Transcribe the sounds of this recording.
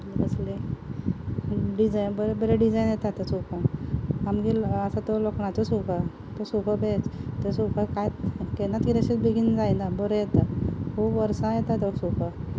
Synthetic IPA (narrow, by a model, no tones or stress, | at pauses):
ɡəsle | ɖid͡zajnbəɾebəɾeɖid͡zajnjet̪at̪əsupʰaamɡiləsat̪olokɳat͡sosuka | t̪osupʰəbet͡st̪esukʰakajkenat̪iɾəɕit͡sbeɡind͡zajnabɔɾejet̪akubʋəɾsãjet̪at̪esukʰa